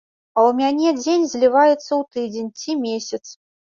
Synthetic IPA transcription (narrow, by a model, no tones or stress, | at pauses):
ɐwmʲanʲɛd͡zʲenʲzʲlʲivajɛt̪sːɐwt̪ɨd͡zʲenʲt͡sʲimʲesʲɐt̪s